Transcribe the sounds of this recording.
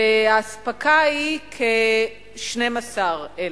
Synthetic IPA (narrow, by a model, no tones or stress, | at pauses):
eaːspakaikʰe | ʃnemasaʁe